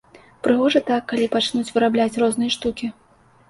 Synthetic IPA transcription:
pɾɨɣɔʐɐt̪akːalʲipat͡ʂnut͡sʲvɨɾablʲat͡sʲrɔznɨjɐʂt̪ukʲi

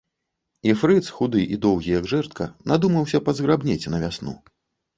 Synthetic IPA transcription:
ifɾɨt̪sxud̪ɨʔid̪ɔwɣʲijɐɡʐɛrt̪̚kɐnad̪umɐwsʲɐpɐzɣɾabnʲet͡sʲnɐvʲasnṵ

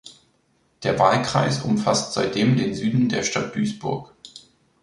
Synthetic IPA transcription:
d̥eːɐvaːlkʁ̥a̰ɪsʔʊmfastz̥aɪt̚d̥eːmdeːnzyːdn̩deːɐʃtat̚d̥yːsb̥ʊ̰ɐk

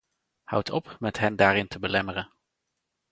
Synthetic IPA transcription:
hʌ̰wtʰɔpmɛtɦɛndaːɾɪntəbəlɛmərən

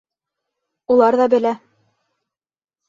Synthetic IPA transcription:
ulˠɑɾðɑbɘ̆læ

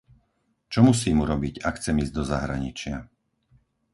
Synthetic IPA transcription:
t͡ʃɔmus̬iːmuɾɔbiɟakxt͡sɛmiːzɟd̪ɔza̰ɦɾa̰ɲit͡ʃɪa

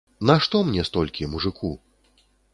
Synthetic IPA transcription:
naʂt̪ɔmnʲɛst̪ɔlʲkʲimuʐɨkʰu

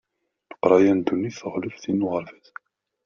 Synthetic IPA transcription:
nə̥qɾˤɑjænd̪unːiθəʁləfθinuʁəɾfæθ

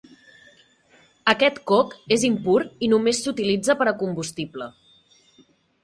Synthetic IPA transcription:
əkɛt̪kɔkezimpuɾinumesːut̪ilid͡zəpəɾəkumbust̪iblə

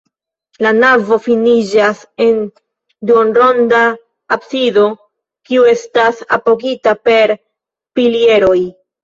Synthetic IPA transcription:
lanavo̞finid͡ʒase̞n | donɾo̞nda | apsido̞ | kiue̞stasa̰po̞kitape̞ɾ | pilie̞ɾo̞j

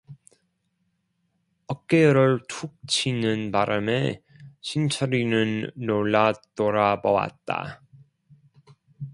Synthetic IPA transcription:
ʌk̚k͈eɾɯɭtʰuk̚t͡ɕʰinɯnpaɾʔame | ɕʰint͡ɕʰʌɾinɯnːoɭːat͈oɾabʌwa̰t̚t͈a̰

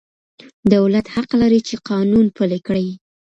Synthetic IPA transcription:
d̪awlat̪haqlaɾit͡ʃeqɑnunpəlekɽəj

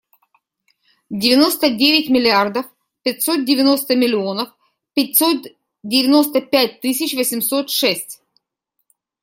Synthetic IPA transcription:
dʲɪvʲɪno̞st̪ədʲevʲɪtʲmʲɪlʲɪard̪əf | pʲɪtʲsot̪̚dʲɪvʲɪno̞st̪əmʲɪlʲɪo̞nəf | pʲɪtʲso̞t̪ | dʲɪvʲɪno̞st̪əpʲæt̚ʲt̪ɨsʲɪt͡ɕvəsʲɪmsot̪ʂɛsʲtʲ

